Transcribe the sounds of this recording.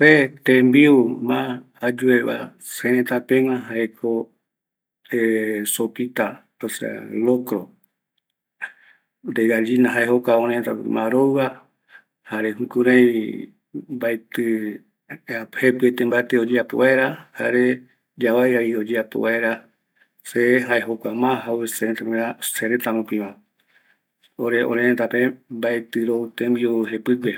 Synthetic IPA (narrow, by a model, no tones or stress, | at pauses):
pet̪embiumã | ad͡ʒueβa̰ | seɾẽt̪apẽw̃ãɦaekʰo | esopit̪a | osḛa̰lokɾo | d̪eɣad͡ʒinaɦaeɦokaoɾẽt̪a̰mãɾowwa | haɾeɦukũɾãj̃ | bajt̪ɨ | ahepɨet̪embaet̪eod͡ʒeapo̰βaeɾaha̰ɾe | d͡ʒaβajaiod͡ʒeapo̰βaeɾa | seɦaeɦokʷamãɦaueseɾet̪akĩãseɾet̪amũpĩβã | oɾeõ̰ɾẽẽt̪apẽbaet̪ɨɾout̪embioɦepɨpe